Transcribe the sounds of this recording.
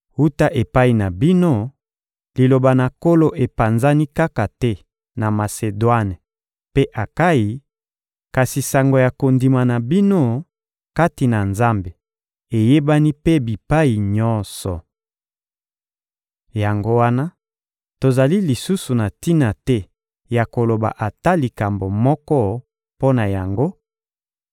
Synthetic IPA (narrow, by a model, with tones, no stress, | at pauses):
wu˦ta˦ʔe˨pa˦i˨na˨bi˦no˦ | li˨lo˨ba˨na˨ko˦lo˦ʔe˨pa˨nza˦ni˦ka˦ka˨tɛ˦ | na˨ma˨se˨dwa˦n˨ | pe˦ʔa˨ka˦ji˦ | ka˨si˨sa˨ŋɡo˨ja˨ko˨ndi˨ma˨na˨bi˦no˦ | ka˦ti˨na˨nza˦mbe˨ | e˨je˦ba˦ni˦pe˦bi˨pa˦i˨ɲɔ˦nsɔ̰˨ | ja˨ŋɡo˦wa˦na˦ | to˨za˨li˦li˨su˦su˨na˨ti˦na˨tɛ˦ | ja˨ko˨lo˨ba̰˨ʔa˨ta˦li˨ka˨mbo˨mɔ˦kɔ˦ | po˦na˨ja˨ŋɡo˦